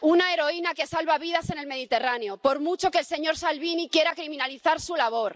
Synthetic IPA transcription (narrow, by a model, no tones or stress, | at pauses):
unae̞ɾo̞inake̞salβaβiðase̞ne̞lme̞ð̞it̪e̞raneo̞po̞ɾmut͡ʃo̞keːlse̞ɲo̞ɾsalβinikje̞ɾakɾimĩnaliθaɾsulaβ̞o̞ɾ